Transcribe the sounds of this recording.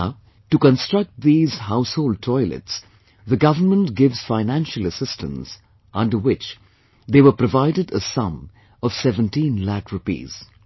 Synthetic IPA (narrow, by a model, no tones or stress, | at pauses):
ʈukə̃nstɹ̥ʌk̚t̚ðiːz̥haʊshoʊlɖ̚tʰɔɪlɨ̰ts | ðəɡʌvənmə̃ntɡɪvz̥faɪnæ̃nʃələsɪstə̰̃ns | ʔʌ̃nɖə˞wɪt͡ʃ | ðeːʋə˞pɾəvaɪdɨdəsʌ̃m | ʌv̥sɛvə̃ntĩːnlækɹupḭːz̥